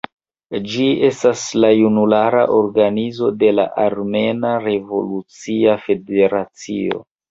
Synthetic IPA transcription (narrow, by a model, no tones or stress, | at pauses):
d͡ʒie̞staslajunulaɾa̰ʔo̞ɾɡanizo̞de̞la̰ʔaɾme̞naɾe̞vo̞̰lut͡siafe̞de̞ɾat͡sio̞̰